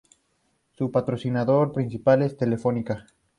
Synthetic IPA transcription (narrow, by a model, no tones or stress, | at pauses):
supat̪ɾosinaðoɾpɾinsipale̞st̪e̞lefonika